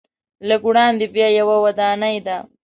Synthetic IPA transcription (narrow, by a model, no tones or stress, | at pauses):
laɡuɽɑːnd̪ibjajawawɐd̪aːnajd̪a